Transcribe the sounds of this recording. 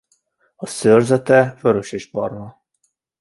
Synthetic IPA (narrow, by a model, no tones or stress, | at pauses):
ɒsørzɛt̪ɛføɾøʃeːʃbɒ̰rvɒ